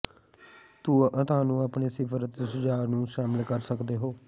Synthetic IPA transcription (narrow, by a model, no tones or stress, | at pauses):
t̪uːʔə̃t̪aːnũːaːpɳeːsɪpʰəɾət̪səd͡ʒaːɾnũːʃaːmɪlkəɾsəkd̪eːɦoː